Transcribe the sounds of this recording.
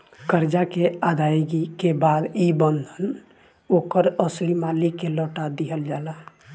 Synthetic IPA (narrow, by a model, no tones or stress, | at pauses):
kəɾd͡ʒakead̪ajɡikebad̪ibənd̪ʱən | okəɾəslimalikelɔːʈad̪iɦəld͡ʒala